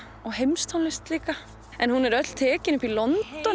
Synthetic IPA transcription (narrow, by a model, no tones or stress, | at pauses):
ɔɣɦejmst̪ʰawnlɪst̪liːka | ɛnɦunɛɾœt̪l̥t̪ʰɛːcɪnʏpilɔnt̪ɔ